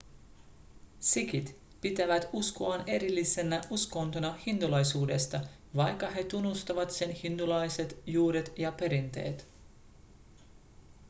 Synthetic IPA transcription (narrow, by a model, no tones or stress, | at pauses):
sikit̪ | pit̪æʋæt̪uskoɑne̞ɾilːise̞næʔusko̞nt̪onɑhint̪ulɑjsuːde̞st̪ɑ | ʋɑjkːɑhe̞t̪unːust̪ɑʋɑt̪se̞nhint̪ulɑjse̞t̪juːɾet̪jɑpe̞ɾint̪e̞̰ːt̪